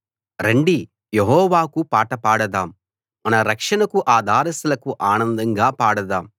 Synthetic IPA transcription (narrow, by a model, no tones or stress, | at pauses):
ɾeɳɖi | jeɦɔːʋaːkupaːʈɐpaːɽɐd̪aːm | mɐnɐɾɐkʂɐɳɐkuʔaːd̪ʱaːɾɐsɐlɐkuʔaːnɐnd̪ɐŋɡaːpaːɽɐd̪aːm